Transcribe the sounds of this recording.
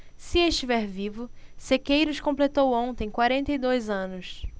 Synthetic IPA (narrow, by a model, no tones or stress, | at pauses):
sɪeʃt͡ʃivɛɾvivʊsekejɾʊskõmplet̪owõnt̪ẽj̃kwaɾẽnt̪ɐjd̪ojzɐ̃nʊs